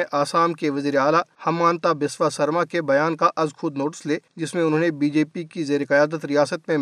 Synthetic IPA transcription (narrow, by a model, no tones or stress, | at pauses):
ʔaːsaːmkeʋɐziːɾeaːlahɐmːaːnt̪abɪsʋasɐɾmakebɐjaːnkaʔɐzkʰʊd̪noːʈɪ̥sleːd͡ʒɪsmẽʊnɦõːnebiːd͡ʒeːpikizeːɾekɐjaːd̪ət̪ɾijaːsət̪mẽ